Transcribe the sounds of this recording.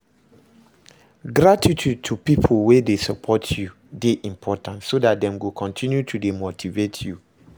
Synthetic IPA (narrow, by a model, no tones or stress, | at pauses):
ɡɾatʰitʰud̚tʰupipʰolwedesɔpʰɔtʰju | deʔĩmpʰɔtãntsodat̚dɛ̃mɡokʰɔ̃ntʰĩnjutʰudemotʰivetʰju